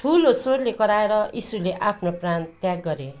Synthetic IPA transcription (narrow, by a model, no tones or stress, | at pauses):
ʈʰulosoɾlekʌɾaeɾʌisuleʔapʰnoprant̪jaɡːʌɾjo